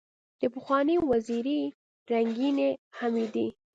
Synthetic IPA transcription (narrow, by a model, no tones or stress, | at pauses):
d̪̥əpəxwɑnewaziɾi | ɾaŋɡinehamid̪i